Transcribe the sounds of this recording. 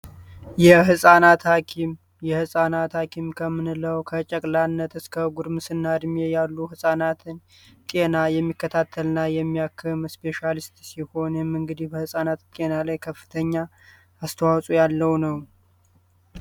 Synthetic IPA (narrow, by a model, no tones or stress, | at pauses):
jɛɦɨsʼanat̪hakʰim | jɛhɨsʼanat̪hakʰimkʰəmɨnɨləwkʰət͡ʃʼɛkʼlanːət̪ɨskʰəɡuɾmɨsɨnːad̪mejalːuhɨsʼanat̪ʰɨn | kʼe̞najɛmːikːət̪ʰat̪ʰːəlnajɛmːiakʰːɨmspe̞ʃalist̪siho̞nmɨŋɡɨd̪ihbəhɨsʼanat̪k̪ʼe̞nalajkʰəfːɨ̥t̪ʰəɲːa | ast̪ʰəwawsʼujalːəwnəw